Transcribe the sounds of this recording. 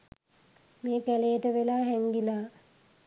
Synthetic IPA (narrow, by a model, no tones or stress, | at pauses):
meːkælejəʈəʋelaːɦɛŋɡilaː